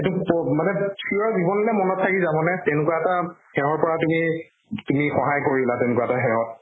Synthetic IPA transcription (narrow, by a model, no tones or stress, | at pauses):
etupɔmanɛsiɔzibɔnɔlɛmɔnɔtʰːakizabɔnɛtɛʊnʊkwaɛtahɛwɔɹpɔɹatumi | tumixɔɦajkoɹilatɛnʊkwaɛtaɦɛwɔt̚